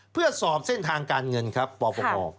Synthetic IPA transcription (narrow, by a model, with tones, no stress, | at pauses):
pʰɯ˥˩ɐsɔː˨˩p̚se˥˩nt̪ʰaː˧ŋkaː˧nŋɤ˧nkʰɾa˦˥pːɔː˧pɔ˧kɔ̰ː˧